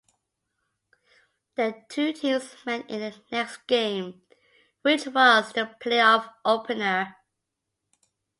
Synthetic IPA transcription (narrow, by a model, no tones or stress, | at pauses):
ðətʰʉtʰĩmzmɛ̃nɪ̃nðənɛksɡ̥ẽɪ̃m | wɪt͡ʃwʌzðəpʰl̥eɪɔfʔoʊpʰɨnə˞